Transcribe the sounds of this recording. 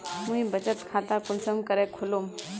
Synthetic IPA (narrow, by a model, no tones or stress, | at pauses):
muibət͡ʃət̪kʰat̪akunsəmkəɾekʰolum